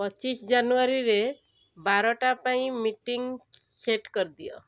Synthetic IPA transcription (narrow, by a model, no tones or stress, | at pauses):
pɔt͡ʃisd͡ʒanuaɾiɾe | baɾɔʈapaĩmiʈiŋ | seʈkɔɾd̪ijɔ̰